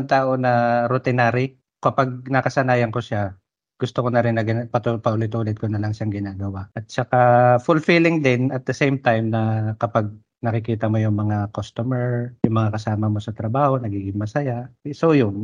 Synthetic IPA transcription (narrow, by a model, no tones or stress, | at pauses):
ŋt̪aːʔo̞nɐɾʊt̪ɪnaːɾɪ | kɐpaɡ̚nɐkɐsɐnaːjɐnkoʃa | ɡ̥ʊst̪okonɐɾɪnːɐɡɪpɐt̪upɐʔʊlɪt̪ʔuːlɪt̪̚konɐlɐŋʃaŋɡɪnaːɡɐwaʔʔɐt̪̚t͡ʃɐkafʊlfilɪŋd̪ɪnɐt̪̚d̪ɐsejmt̪ajmnɐkɐpaɡ̚ | nɐkɪkiːt̪ɐmojʊŋmɐŋakost̪omɛɹjʊŋmɐŋakɐsaːmɐmo̞sɐt̪ɾɐbaːho̞nɐɡiːɡɪŋmɐsɐjasowjʊn